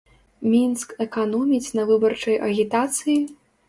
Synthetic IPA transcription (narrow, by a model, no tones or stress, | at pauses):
mʲinskɛkanɔmʲit͡s̪ʲnɐvɨbɐrt͡ʂɐjʔɐɣʲit̪at̪sɨji